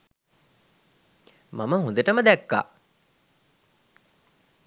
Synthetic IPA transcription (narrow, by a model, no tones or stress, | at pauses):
maməɦũnd̪əʈəməd̪ækːa̰ː